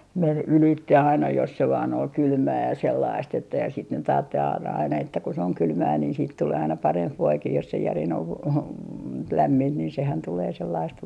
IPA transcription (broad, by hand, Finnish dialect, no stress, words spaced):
men ylitːe ɑinɑ jos se ʋɑːn ol kylmæː jɑ selːɑist etːæ jɑ sit nyt ɑːtːel ɑ ɑinɑ etːæ ku se oŋ kylmæː niːn siːt tuleː ɑinɑ pɑremp ʋoikih jos se jærin oʋ ʋ ʋ læmːint niːn sehæn tuleː selːɑist